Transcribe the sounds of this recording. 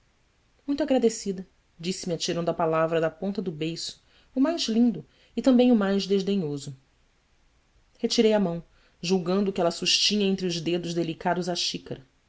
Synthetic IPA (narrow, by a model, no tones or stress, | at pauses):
mũj̃t̪aɡɾad̪esid̪ɐ | d͡ʒisɪmiat͡ʃiɾɐ̃nd̪ʊɐpalavɾɐd̪ɐpõnt̪ɐd̪ʊbejsʊ̥ː | majzlĩnd̪ʊ | ɪt̪ɐ̃mbẽj̃ʊmajzd̪eʒd̪eɲozʊ | het͡ʃiɾejɐmɐ̃w̃ | ʒuwɡɐ̃nd̪ʊkɪɛlɐsuʃt͡ʃĩɲɐẽnt̪ɾɪʊzd̪ed̪ʊʒd̪elikad̪ʊzaʃikɐɾɐ